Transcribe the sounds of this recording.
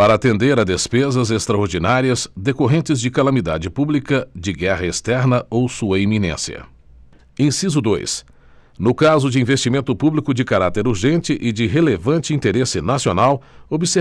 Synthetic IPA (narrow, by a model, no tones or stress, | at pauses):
paɾɐat̪ẽnd̪eɾɐd̪espezɐzest̪ɾɐoɾd͡ʒinaɾiɐzd̪ekoɦẽnt͡ʃɪzd͡ʒɪkalɐmid̪a̰d͡ʒɪpublikɐd͡ʒɪɡɛʁɐest̪ɛɾnɐowsuɐiminḛ̃siɐ̰ | ẽsizʊd̪o̰js | nʊkazʊd͡ʒɪĩvest͡ʃimẽnt̪ʊpublikʊd͡ʒɪkaɾat̪eɾuɾʒẽnt͡ʃɪʔɪd͡ʒɪɦelevɐ̃t͡ʃɪĩnt̪eɾesɪnasionawobɪse